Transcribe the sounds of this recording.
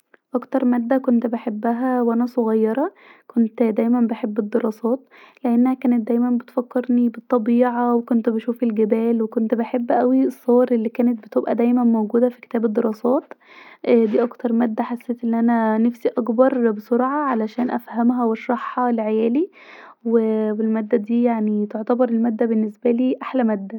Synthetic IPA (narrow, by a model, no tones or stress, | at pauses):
ʔɑkt̪ɑɾˤmæd̪ːækont̪beħebːæɦæwʔænæsoɣɑjːɑɾˤɑ | kʰont̪d̪æːjmænbeħebːed̪ːeɾˤɑːsˤɑːt̪̚ | leʔenːæhækæːnet̪̚d̪æjmænbet̪fækːeɾnibet̪ˤːɑbiːʕɑwekont̪beʃuːfelɡebæːlwekont̪beħebːʔæwiesˤːowɑɾˤʔelːiːkæːnet̪̚bet̪ebʔæd̪æjmænmowɡuːd̪æfi̥ke̥t̪æːbed̪ːeɾˤɑːsˤɑːt̪ | ʔd̪iːʔɑkt̪ɑɾˤmæːd̪ːæħasːeːt̪ʔenːʔænænæfsiʔɑkbɑɾˤbesˤoɾʕɑʕalæʃæːnʔæ̰fhæmɦæweʃɾˤɑħhɑleʕejæːliwewelmæːd̪ːæd̪iːjaʕnit̪oʕt̪æbɑɾˤelmæːd̪ːæbenːesbæliːʔaħlæmæːd̪ːæ